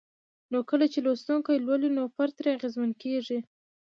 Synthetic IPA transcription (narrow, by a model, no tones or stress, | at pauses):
nokəlat͡ʃelost̪uŋkajlwəlinopaɾt̪ɾeaɣezmankeʐi